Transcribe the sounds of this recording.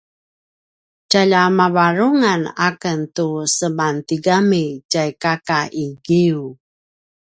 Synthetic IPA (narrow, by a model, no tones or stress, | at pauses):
caʎamavaɾuŋanakəntusəmantiɡamicajkakaʔiɡiu